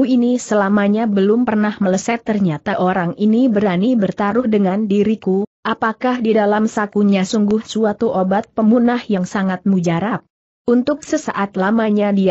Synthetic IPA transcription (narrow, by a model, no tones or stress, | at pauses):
uinisəlamaɲabəlʊmpərnahmələsɛt̪ːərɲat̪aʔoɾaŋinibəɾanibərt̪aɾʊhdəŋandiɾikuʔapakahdidalamsakuɲasuŋɡʊhsuat̪uʔobat̪̚pəmunahjaŋsaŋat̪̚mud͡ʒaɾap̚ | ʔunt̪ʊk̚səsa̰ʔat̪lamaɲadia